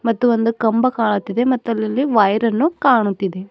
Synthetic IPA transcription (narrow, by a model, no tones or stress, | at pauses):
mɐt̪ːuond̪ukɐmbɐkaːɭut̪ːid̪emɐt̪ːuɐlːɐlːiʋɐjɾɐnːukaːɳut̪ːid̪e̞